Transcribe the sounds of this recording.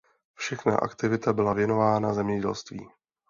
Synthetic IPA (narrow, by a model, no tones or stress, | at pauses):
fʃɛxna̰ʔa̰kt̪ɪvɪt̪abɪlavjɛno̞vaːnazɛmɲɛɟɛ̰lst̪vḭː